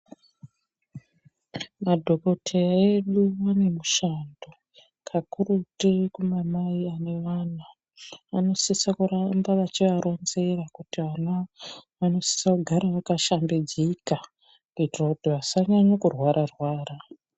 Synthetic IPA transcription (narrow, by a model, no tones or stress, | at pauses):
madʱo̞ko̞tʰeaeɗuane̞muʃando̞ | kʰakurutikumamaiane̞ʋanaː | no̞sisakurambaʋat͡ʃiʋaɾʔo̞nze̞rakutiʋanaʋano̞si̥sakuɡʱaɾaʋakaʃambed͡ziika | kuitirakutiʋasaɲaɲakurwaɾarwaːra